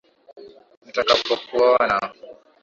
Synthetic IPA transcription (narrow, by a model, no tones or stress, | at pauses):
n̩takapɔkuwawana